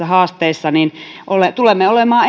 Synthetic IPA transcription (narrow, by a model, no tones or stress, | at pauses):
ɑhɑːst̪eisːɑninʔolet̪ulemːeolemɑː